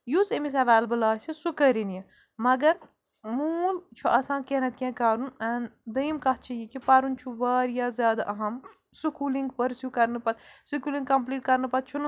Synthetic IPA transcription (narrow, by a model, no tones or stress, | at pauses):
jusemis̬ɐʋaːlbɨlaːt͡ʃʰisukəɾinjɐ | mɐɡɐɾ | muːlt͡ʃʰuʔɐsãːkeɦnɐt̪̚kʲẽːkaːɾunɐːnd̪ɐjmkɐtt͡ʃʰijikipɐɾunt͡ʃʰuʋaːɾjaːzjaːd̪aʔɐɦɐm | sukuːliŋɡpɐɾsjukɐɾnɨpɐt̪sukuːlĩŋɡkːɐmpliːʈ̚kɐɾnɨpɐt̪̚t͡ʃʰun